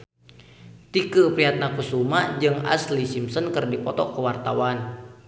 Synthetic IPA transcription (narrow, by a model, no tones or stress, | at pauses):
t̪ikəpɾiɦat̪̚nakusumad͡ʒɨŋa̰slisimsənkərdipɔt̪ɔkəwart̪awan